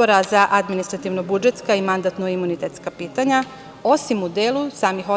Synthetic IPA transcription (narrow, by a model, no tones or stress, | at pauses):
oɾazaʔad̪minist̪ɾat̪iʋnobud͡ʒet̪skaimand̪at̪noimunit̪et̪skapiːt̪aɲa | o̞simud̪eːlˠusaːmixo